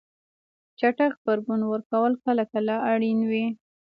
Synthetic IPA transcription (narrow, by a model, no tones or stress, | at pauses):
t͡ʃaʈaxbaɾɡunwəɾkawəlkaləkalɑʔaɽinwi